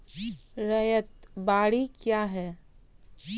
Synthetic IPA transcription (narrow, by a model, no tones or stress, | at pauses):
ɾɐjət̪baːɽikjaːɦɛː